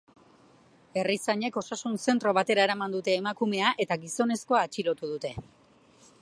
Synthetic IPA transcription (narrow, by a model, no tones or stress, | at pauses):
e̞risaɲe̞ko̞sasunse̞nt̪ɾo̞β̞at̪e̞ɾaeɾamand̪ut̪e̞ːmakume̞aʔe̞t̪aɡiso̞ne̞sko̞aːt͡ʃilo̞t̪uð̞ut̪e̞